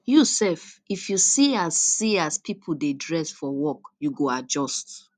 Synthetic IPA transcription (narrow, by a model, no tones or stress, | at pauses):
jusɛfifjusiazːiaspʰipʰudedɹɛsfɔwɔkjuɡoad͡ʒɔst